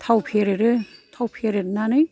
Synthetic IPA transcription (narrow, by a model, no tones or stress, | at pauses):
t̪ʰawpʰeɾeɾɯt̪ʰawpʰeɾeɾnanɯj